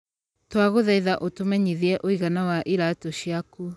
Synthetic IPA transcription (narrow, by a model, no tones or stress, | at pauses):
twaɣoðɛiðaʔotomɛɲiðiɛʔoiɣanawaʔiɾatɔʃjaku